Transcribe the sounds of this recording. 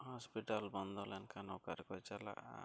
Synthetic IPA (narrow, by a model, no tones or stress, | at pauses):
hɔspiʈalbɔnd̪ʱɔlɛnkʰanukaɾkɔt͡ʃala̰ʔa̰